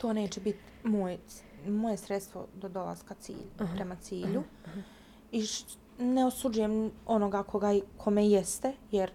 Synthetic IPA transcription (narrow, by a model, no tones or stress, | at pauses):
t̪o̞ːne̞ːt͡ɕebit̪ | moj | mo̞je̞sɾet̪st̪ʋo̞̰d̪od̪o̞la̰z̥kat̪sḭːʎpɾe̞mat̪siːʎu | i | neosud͡ʒujemo̞no̞ɡakʰo̞ɡaikʰo̞mejɛst̪ejeɾ